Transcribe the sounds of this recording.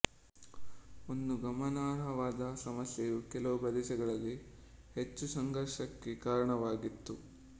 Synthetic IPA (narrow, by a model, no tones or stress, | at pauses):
ond̪uɡɐmɐnaːɾɦɐʋaːd̪ɐsɐmɐsjejukɛlɐʋubɐd̪iʃɛɡɐɭɐlːi | het͡ʃːusɐŋɡɐɾʂɐkːekaːɾɐɳɐʋaːɡit̪ːu